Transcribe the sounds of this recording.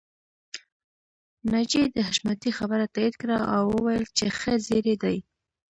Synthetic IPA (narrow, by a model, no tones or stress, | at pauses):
nad͡ʒed̪əhaʃmat̪ixabəɾat̪aid̪kɽaawːəwajəlt͡ʃexezeɾed̪aj